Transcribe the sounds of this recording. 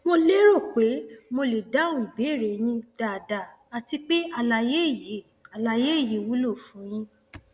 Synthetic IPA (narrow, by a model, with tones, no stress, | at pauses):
mo˧le˦ɾo˦˨k͡pe˨˦mo˧le˨da˨˦ũ˦˨i˨be˨˦˨ɾe˨j̃ĩ˧d̥a˨da˨ | a˨ti˧k͡pe˦a˦˨la˨je˦˨je˨˦ | a˨la˨je˦˨ji˨wu˨˦lo˦˨fũ˨˦j̃ĩ˧